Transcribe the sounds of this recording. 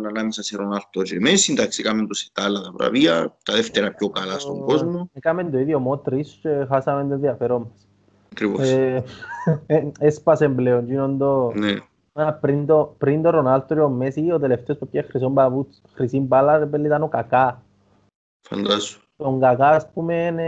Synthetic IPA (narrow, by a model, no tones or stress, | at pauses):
nanamisaseronalt̪oɾemesint̪aksikament̪osi̥t̪alat̪apɾa̰βiat̪aðeft̪eɾapjokalasoŋkozmoekamend̪oiðjomot̪ɾisexasamend̪eðjafeɾomes | t̪ɾipo | espasembleond͡ʒinond̪one | apɾind̪opɾind̪oronalt̪oɾiomːesiot̪̬eleft̪eospepjexɾis̬ombapu | xɾisimpalaɾepelːit̪anokaka | fa̰nd̪asot̪oŋkakaspumen